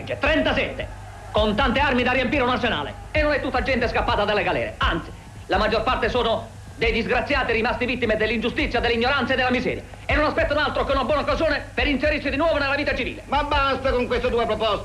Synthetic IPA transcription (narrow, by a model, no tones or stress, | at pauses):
d͡ʒːet̪ɾɛnt̪asɛt̪ːḛ | kont̪ant̪earmid̪arːiempiɾeunarsena̰ːlḛ | enːonɛt̪ːut̪ːad͡ʒɛnt̪eskapːaːt̪ad̪alːeɡalɛ̰ːɾḛant̪si̥ | lamad͡ʒːorpart̪esoːnʊ | d̪ejd̪izɡɾat̪sjaːt̪iɾimast̪evit̪ːimed̪elːind͡ʒust̪it̪sːjad̪elːiɲːoɾant̪saed̪ːelamizɛ̰ːɾja̰ | enːonaspɛt̪ːanoalt̪ɾokeunabwɔːnaokːazjoːnepeɾinseɾirsid̪inwɔːvonelːaviːt̪at͡ʃivḭːlemabːast̪akoŋkwest̪ed̪uːepɾopɔs